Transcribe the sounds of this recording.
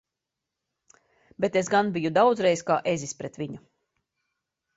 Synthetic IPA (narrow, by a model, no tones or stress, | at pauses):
bet̪esɡanbijud̪awd̪zɾɛjskaːʔezispɾɛt̪ʋiɲu